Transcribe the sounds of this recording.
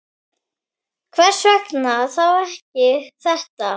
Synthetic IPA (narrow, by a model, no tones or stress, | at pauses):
kʰvɛr̥sœknaθawɛhcɪθɛht̪a